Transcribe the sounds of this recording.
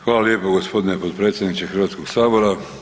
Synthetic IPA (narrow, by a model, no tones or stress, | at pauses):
xʋaːlaljeːpoɡospo̞d̪inepot̪̚pɾe̞ːt̪sʲjed̪nit͡ʃexrʋaːt̪koɡsaːbo̞ɾa